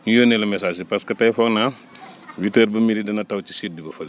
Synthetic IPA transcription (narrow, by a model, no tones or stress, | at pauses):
ɲujoːnɛlɐmɛsaːs̬ipɐskɐtɐjfɔknɐ | witəɾbɐmiɾidɐnɐtɐwci̥sit̚dibɐfɐl